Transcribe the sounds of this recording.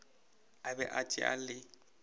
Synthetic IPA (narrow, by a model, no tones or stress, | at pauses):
abɛʔat͡ʃʼɪ̰a̰lɪ